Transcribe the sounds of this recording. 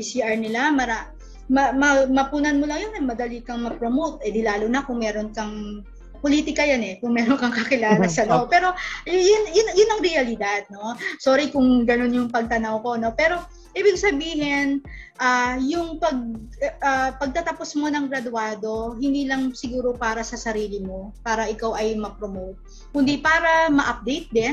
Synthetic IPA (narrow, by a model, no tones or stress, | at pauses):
pisiʔɐɹnɪlamɐɾa | mɐmɐmɐpuːnɐnmolɐŋjonɛmɐd̪ɐlikɐŋmɐpɾomowt̪ɛd̪ɪlaːlonɐkʊŋmɛːɾo̞nkɐŋ | poliːt̪ɪkɐjanɛkʊŋmɛːɾonkɐŋkɐkɪlaːlɐsɐlopɛːɾo̞jʊnjʊnjʊnːɐŋɾɛɐlɪd̪ad̪̚no̞so̞ːɾɪkʊŋɡɐno̞njʊŋpɐɡ̚t̪ɐnɐwko̞no̞pɛːɾo̞ | ʔiːbɪɡsɐbiːhɪnʔaːjʊŋpɐɡ̚ | apɐɡ̚t̪ɐt̪ɐposmo̞nɐŋɡɾɐd̪ʊaːd̪o̞ɦɪnd̪iːlɐŋsɪɡuːɾo̞paːɾɐsɐsɐɾiːlɪmo̞paːɾɐʔɪkawʔɐjmɐɡ̚pɾomowt̪̚ | kʊnd̪ipaːɾɐmɐʔɐp̚d̪ɛjt̪̚d̪ɛn